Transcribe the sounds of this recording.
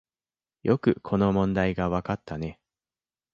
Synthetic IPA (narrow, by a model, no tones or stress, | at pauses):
jʔo̞kɯ̟kʰo̞no̞mõ̞nd̪aiɡaβakat̪ːane̞